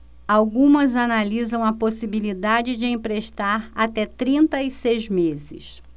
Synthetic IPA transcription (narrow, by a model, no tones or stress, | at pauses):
awɡũmɐzanalizɐ̃w̃ɐposibilid̪ad͡ʒɪd͡ʒɪẽpɾeʃt̪aɾat̪ɛt̪ɾĩnt̪ɐisejzmezɪ̰s